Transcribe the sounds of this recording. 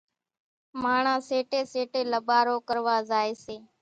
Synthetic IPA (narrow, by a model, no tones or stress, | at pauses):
maːɳãːseːʈeːseːʈeːləɓaːɾoːkəɾʋaːzaːeːseː